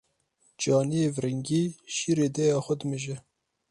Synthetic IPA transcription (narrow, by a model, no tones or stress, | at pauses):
d͡ʒɑːnijeːvɾɪŋɡiːʃiːɾeːd̪ɛjɑːxʷɐd̪mɨʒɛ